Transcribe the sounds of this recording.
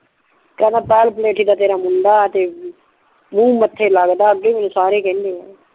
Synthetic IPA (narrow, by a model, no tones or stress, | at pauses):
kɛːnaːpɛːlpleːʈʰiːd̪aːt̪eːɾaːmʊnd̪aːt̪eː | mũːmət̪ʰːeːləɡd̪aːəɡeːmɛːnũːsaːɾeːkɛ̃ːnd̪eːɛː